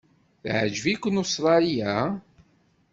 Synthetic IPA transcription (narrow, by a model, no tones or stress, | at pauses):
θʕəd͡ʒvikʷːənost̪ɾˤɑlija